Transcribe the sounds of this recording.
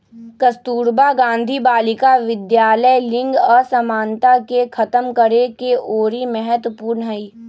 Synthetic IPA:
kɐst̪uːɾbaɡãːnd̪ʱibaːlɪkaʋɪd̪jaːləlɪ̃ŋɡɔːɾsɐmaːnt̪akekʰɐt̪əmkəɾekeʔoːɾimɛɦət̪puːɾnəɦɐiː

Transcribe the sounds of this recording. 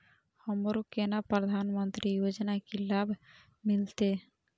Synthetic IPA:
hɔmoɾukenapɾɔd̪ʱanmɔnt̪ɾijod͡ʑonakilabʱ | milt̪e

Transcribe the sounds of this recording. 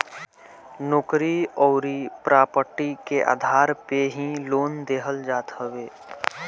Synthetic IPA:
nʊkɾiɔːɾipɾaːpəʈikeʔa̰ːd̪ʱaːɾpeɦĩloːnd̪eːɦəld͡ʒaːt̪ɦəʋeː

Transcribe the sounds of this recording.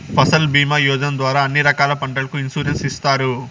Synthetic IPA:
pʰɐsɐlbiːmɐjɔːd͡ʒ̪ɐnd̪ʋaːɾaːɐnːiɾɐkaːlɐpɐɳɖɐlɐkuinsuːɾensist̪aːɾu

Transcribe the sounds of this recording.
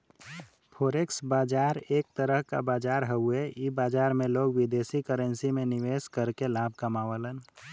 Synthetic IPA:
pʰoɾeksbaːd͡ʒaɾek̚t̪əɾəɦka̰baːd͡ʒaːɾɦəueibaːd͡ʒaɾmeloɡwid̪esikəɾənsimẽniʋeskəɾkelabʱkəmaʋələn

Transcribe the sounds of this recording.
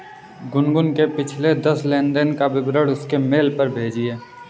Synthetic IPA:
ɡʊnɡʊnkepɪt͡ʃʰled̪ɐsleːnɖ̪ənkabɪbɾəɽʊskemeːlpəɾbʱeːd͡ʒieː

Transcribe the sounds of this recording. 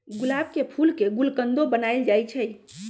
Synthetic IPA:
ɡulab̚kepʰulkeɡulkənd̪obənaɪld͡ʒajt͡ʃʰəj

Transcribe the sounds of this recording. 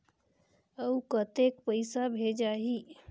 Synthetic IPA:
əukət̪ekpəjsabʱed͡ʒaɦi

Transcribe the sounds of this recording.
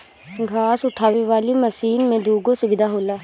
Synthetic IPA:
ɡʱaːsʊʈʰaːʋeʋaːlimɐsiːnmẽd̪uːɡosʊbɪd̪ʱaɦoːlaː

